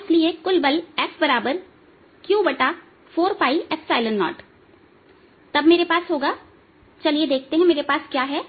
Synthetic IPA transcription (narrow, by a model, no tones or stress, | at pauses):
ɪsliekʊlbəlɛfbɐɾaːbəɾ | kjuːbɐʈa | foːɾpaːiʔɛfsaːɪlə̃nːɔ̰ːʈ | t̪ɐbmeːɾepaːsɦoːɡaː | t͡ʃɐlied̪eːk̚ʰt̪eɦɛ̃meːɾepaːskjaːɦɛː